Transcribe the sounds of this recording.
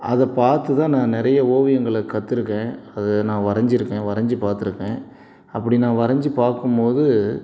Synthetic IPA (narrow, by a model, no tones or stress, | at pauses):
ɐðɐpaːɾt̪ɯt̪ãːnãːnɪɾɐjɐoːʋɪjɐŋɡɐɭɐkɐt̪ːɪɾɯkːẽːɐðɛnãːʋɐɾɐɲd͡ʒɪɾɯkːẽːʋɐɾɐɲd͡ʒɯpaːɾt̪ɪɾɯkːẽː | ɐpːɐɽinãːʋɐɾɐɲd͡ʒɯpaːɾkɯmpoːðɯ